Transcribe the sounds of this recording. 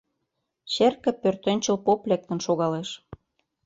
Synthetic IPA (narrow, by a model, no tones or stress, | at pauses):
t͡ɕerkə̆pørt̪ĕnʲt͡ɕə̆lpoplʲek̚t̪ə̆nʃoɣɑleʃ